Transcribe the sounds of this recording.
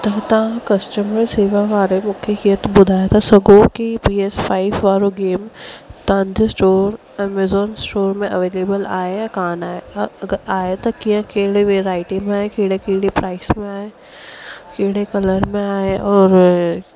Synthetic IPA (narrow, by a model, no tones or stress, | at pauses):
t̪ɐt̪ɐɦãkɐsʈəməɾseːʋaʋaːɾemʊkʰekijət̪bʊd̪ʱaːjat̪ʰasɐɡokipiːespʰaːɪfʋaːɾoɡeːmt̪ãːnd͡ʒsʈoːɾ | ɛːmezɔːnsʈoːɾmẽʔɐʋeːleːbəlaːejakaːnaːeɐɡəɾaːet̪ɐkijãkeːɽeʋeːɾaːɪʈimẽaːɦekeɽekiːɽepɾaːɪsmẽaːe | keːɽekɐləɾmẽaːeɔːɾ